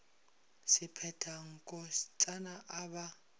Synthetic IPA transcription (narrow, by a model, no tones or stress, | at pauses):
sɪpʰɛtʰaŋ̩kʼɔst͡sʼanaʔaba